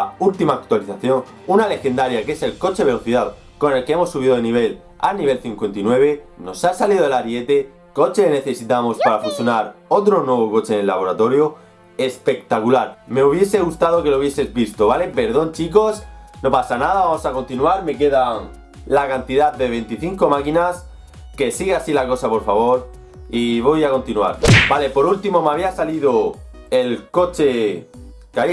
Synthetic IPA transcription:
ult̪imaːk̚t̪waliθaθjo̞ŋ | unale̞xe̞nd̪aɾjake̞se̞lko̞t͡ʃe̞βe̞lo̞θiðaðo | ko̞ne̞lkee̞mo̞sːuβiðo̞ðeniβ̞e̞l | a̰niβ̞e̞lθiŋkwe̞nt̪inwe̞β̞e̞no̞sasaliðoelaɾje̞t̪e̞ | ko̞t͡ʃe̞kene̞θe̞sit̪amo̞spaɾafusjo̞naɾo̞t̪ɾo̞nwe̞β̞o̞ko̞t͡ʃenelːa̰βo̞ɾat̪o̞ɾjo̞ | e̞spe̞k̚t̪akulaɾme̞uβ̞je̞se̞ɣust̪að̞o̞ke̞louβje̞se̞zβist̪oβale̞pe̞ɾð̞õ̞nt͡ʃik̬o̞sno̞pasanaðaβamo̞sakont̪inuaɾme̞k̬e̞ðaŋ | lakant̪iðaðe̞β̞e̞nt̪iθiŋko̞makinas | ke̞siɣeasilako̞sapo̞ɾfaβ̞o̞ɾ | iβ̞o̞jako̞nt̪inua̰ɾbale̞po̞ɾult̪imo̞maβiasaliðo | e̞lko̞t͡ʃe̞ | ka

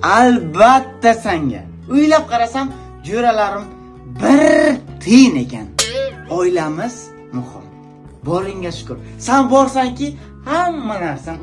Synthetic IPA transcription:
albat̪ːasaŋɡʲa̰ | ʊjlap̚qʰɑɾasam | d͡ʒoɾalaɾɪm | bɪɾt̪ʰene̞kʲʰanɒjlamɪz̥ | mʊhɪ̰m | bɒɾɪŋʲaʃʊ̥kʰʊɾsanbɒɾsaŋkʲɪ | hamːanaɾsan

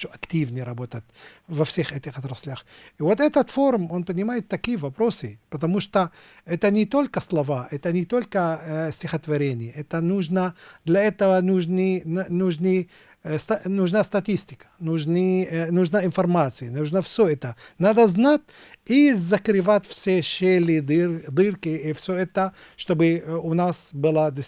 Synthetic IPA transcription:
t̪oʔɐktʲivnʲɪjɾɐbot̪ət̚ʲvɐfsʲexɛt̪ʲɪxɐt̪ɾɐsʲlʲaxivot̪ɛt̪ət̪foɾʊmonpənʲɪmajɪt̪ːɐkʲijəvɐpɾosɨpɐt̪ɐmuʂt̪o | ɛt̪ənʲɪt̪olʲkəslˠɐvaɛt̪ɐnʲɪt̪olʲkəsʲtʲɪxət̪vɐɾʲenʲɪjəɛt̪ənuʐnəd̪lʲɐɛt̪əvɐnuʐnɨnnuʐnɨ | st̪ɐnuʒnast̪ɐt̪ʲisʲtʲɪ̥kɐ̥nuʒnɨnuʒnaɪnfɐrmat̪sɨjɐnuʒnəfsʲoɛt̪ənad̪ɐznatʲ | izɐkɾɨvatʲfsʲeʃelʲɪd̪ɨrkɪifsʲoɛt̪əʃt̪obɨʊnasbɨlˠad̪ʲɪ

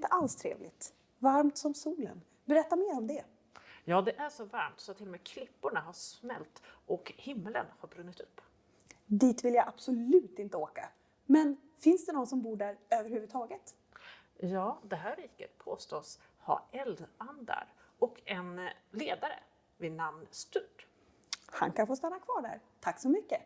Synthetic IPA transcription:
ɪnt̪əʔalst̪ʰɾḛːvlɪt̪ | vaɾmt̪sɔmsuːlə̰n | bɛɾɛt̪ːameːɾɔmd̪ɛ | jɑːd̪ɛʔæʂɔvaɾmt̪sɔat̪ʰːɪlːɔmɛːkʰlɪpːʊɳaɦaʂmɛ̰lt̪ʔɔkhɪmːələ̰nhaɾbɾɵnːɪt̪ɵpː | d̪iːt̪vɪljaʔab̥sʊlʉ̟ːt̪ɪnt̪əoːka | mɛn | fɪnsd̪ɛnɔnsɔmbuːɖæɾøːvəɾhʉ̟vət̪ʰɑːɡət̪ | jɑːd̪ɛɦæːɾiːkə̰t̪̚pʰoːst̪oːs | ha̰ɛld̪and̪a̰ɾʔɔkɛnleːd̪aɾə̰ | vɪnamnst̪ʉːɖ | ha̰nkʰanfoːst̪anːakʰvɑːɖæ̰ːɾt̪ʰakːsɔmʏkːə

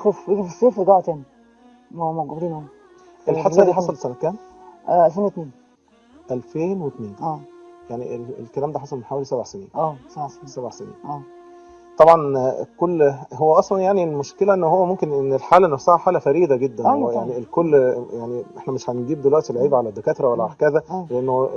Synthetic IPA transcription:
xofjeɡifisˤːeːfɾɡɑʕt̪æːni | mmæɡæbd̪iːnʔæ | ʔelħɑshæd̪iħɑˤɑlesænækæːnʔʔælfeːnwet̪neːn | ʔælfeːnwet̪neːnʔæjaʕnielḛlkælæːmd̪æːħɑsˤɑlmenħaːwælisæbaʕsenḭːnʔæːsɑsæbaʕsenḭːnʔæː | t̪ˤɑbʕɑnkolːɦowːæʔɑsˤlɑnjaʕnilmoʃkelæʔenːohowːæmomkenʔenːelħaːlænːæfsæhæħaːlæfæɾiːd̪æɡed̪ːænwæjaʕnilkolːjaʕniʔeħnæmeʃhænɡiːbd̪elwæʔt̪ilʕiːbæʕalæd̪ːekæːt̪ɾˤæwælːæʕakæðæleʔenːo

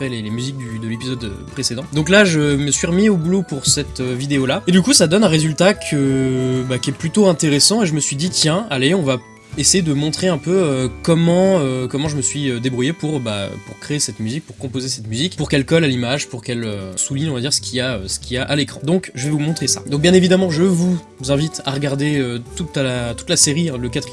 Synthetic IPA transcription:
fɛlelemyzik̚d̪yd̪əlepizɔd̪ø̰pχesed̪ɑ̃d̪ɔ̃klaʒəməsɥiʁəmiobulopuʁsɛt̪øvid̪eolaed̪ykusad̪ɔnɛ̃ʁezylt̪akʰəbakʲɛplyt̪oɛ̃t̪eʁesɑ̃eʒəməsɥid̪it̪jɛ̃aleɔ̃va | esejed̪əmɔ̃t̪χeɛ̃pøøkɔmɑ̃økɔmɑ̃ʒəməsɥiød̪ebʁujepuʁbaø̰puʁkχeːsɛt̪myzik̚puʁkɔ̃pozesɛt̪myzikpuʁkɛlkɔlalimaʒpuʁkɛløsuliɲɔ̃vad̪iʁsə̥kʲʰiaø̰sə̥kʲʰiaʔalekχɑ̃d̪ɔ̃kʒəvɛvumɔ̃t̪χesa̰d̪ɔ̃k̚bjɛ̃nevid̪amɑ̃ʒəvu | zɛ̃vit̪ʰaʁəɡaʁd̪eøt̪ut̪lat̪u̥t̪laseʁiɛ̃ləkat̪χi

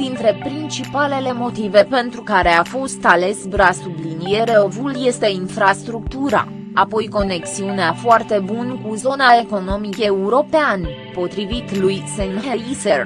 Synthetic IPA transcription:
d̪̥int̪ɾe̞pɾint͡ʃipale̞le̞mo̞t̪ive̞pe̞nt̪ɾukaɾe̞afo̞st̪ale̞sbɾasublinije̞ɾe̞o̞vulje̞st̪e̞infɾast̪ɾuk̚t̪uɾa̰ | apo̞jko̞ne̞ksiuneafoart̪e̞bunkuzo̞naeko̞no̞mike̞uɾo̞pean | po̞t̪ɾivit̪lujsenɦeiser

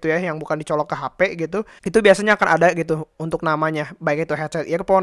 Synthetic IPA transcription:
t̪ujajaŋbukandit͡ʃɔlɔkːəɦapeɡit̪u | it̪ubiasaɲaːkanʔadaɡit̪uunt̪ʊk̚namaɲabaɪk̚it̪uɦɛt͡ʃɛt̪ijakpɔ

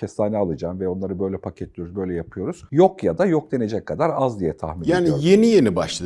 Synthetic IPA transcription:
ɛst̪aːnɛalˠɯd͡ʒaːmvɛo̞nˠaɾɯbø̞jlʲɛpʰacʰɛt̪lʲijɾuzbø̞jlʲɛjapʰɯjo̞ɾuz̥jo̞kjad̪ajo̞k̚d̪e̞ne̞d͡ʒɛckʰːad̪aɾazd̪ijɛt̪ʰa̰hminaːnije̞nije̞nibaʃlˠa

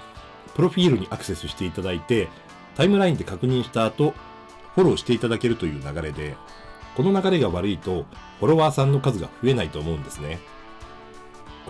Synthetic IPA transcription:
pɯ̟ɾo̞ɸʲiːɾɯ̟ɲ̟iʔakɯ̟se̞sɨɕi̥t̪e̞it̪ad̪ait̪e̞ | t̪aimɯ̟ɾaĩnd̪e̞kakɯ̟ɲ̟ĩɰ̃ɕi̥t̪aːt̪o̞ | ɸo̞ɾo̞ːɕi̥t̪e̞it̪ad̪ake̞ɾɯ̟t̪o̞jɯ̟ːnaɡaɾe̞d̪e̞ | ko̞no̞naɡaɾe̞ɡaβaɾɯ̟it̪o̞ | ɸo̞ɾo̞βaːsãnːo̞kazɨɡa̰ɸɯ̟e̞nait̪o̞ːmo̞ɯ̟̃nd̪e̞sɨne̞

